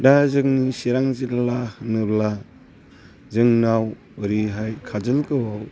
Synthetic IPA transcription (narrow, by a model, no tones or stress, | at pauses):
dazɯŋnisiɾaŋziɾlahɯnɯbla | zɯŋnaw | ɾiɦajkʰad͡ʒɯlkɯwaw